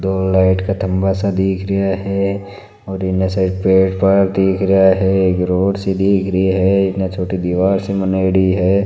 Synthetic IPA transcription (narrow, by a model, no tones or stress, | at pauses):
d̪oːlːaːɪʈkat̪ʰɐ̃mbasad̪iːkʰɾɐjaɦɛ | ɔːɾɪnẽsɐpeːʈpɐd̪iːkʰɾɐjaɦɛkɾoːɽsed̪iːkʰɾəiɦɛɪẽt͡ʃʰoːʈid̪iːʋaːɾsemɐneːɽiɦɛː